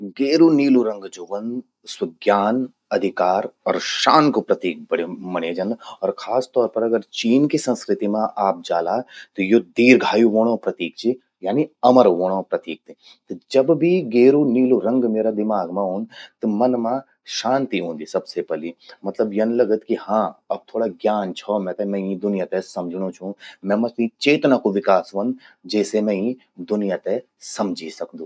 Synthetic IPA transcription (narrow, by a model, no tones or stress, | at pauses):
ɡeːɾuniːluɾɐ̃ŋɡd͡ʒoːʋən | swɐɡjaːn | ɐd̪ʱɪkaːɾɔ̰ːɾʃaːnkopɾɐt̪iːk̚bɐɽ̤emɐɽ̃eːd͡ʒɐnɔːɾkʰaːst̪ɔːɾpɐɾɐɡəɾt͡ʃiːnkisɐ̃nskɾɪt̪imãʔaːp̚d͡ʒaːlaːt̪ɔjod̪iːɾɡʱaːjuʋoːɽ̃õpɾɐt̪iːk̚t͡ʃi | jaːniɐməɾʋoːɽ̃õpɾɐt̪iːk̚t̪e | t̪d͡ʒɐbbʱiɡeːɾuniːluɾɐ̃ŋɡmeːɾad̪ɪmaːɡmãɦoːnt̪ɐmɐnmã | ʃãːnt̪iɦũːnd̪isɐbsepɐlimɐt̪ləbjɐnlɐɡət̪kihãːɐb̚t̪ʰoːɽaɡjaːnt͡ʃʰɔmɛ̃t̪ɛmɛ̃ĩd̪ʊnijat̪ɛsɐmd͡ʒʱɽ̃õt͡ʃʰũmɛ̃mɐsĩt͡ʃeːt̪nakoʋɪkaːsʋɐnd͡ʒɛːsemɛ̃ĩ | d̪ʊnijat̪ɛ | sɐmd͡ʒʱisɐkd̪ũː